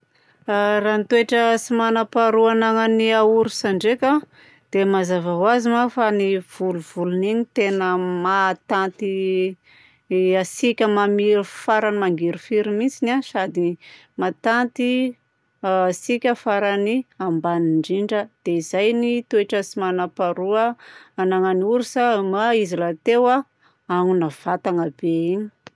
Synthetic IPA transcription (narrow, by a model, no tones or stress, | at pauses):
ranit̪ueʈ͡ʂəsimanəpaɾuanaŋaniauɾusaɳɖ͡ʐekʲa | d̪̥emazavaɦwazimafaniv̥uluvuluninit̪enəmat̪ant̪i | asikʲəmamiɾufaɾanimaŋɡiɾufiɾimit͡sinasad̪i | mat̪ant̪i | asikʲəfaɾaniambaniɳɖ͡ʐiɳɖ͡ʐəd̪̥eizajnit̪ueʈ͡ʂəsimanapaɾuəanaŋanuɾisamaizilat̪ewa | aŋunav̥at̪aŋabeini̥